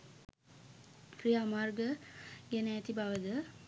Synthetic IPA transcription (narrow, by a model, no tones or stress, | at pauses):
friamarɡəɡɛnəːt̪ibaʋəd̪ə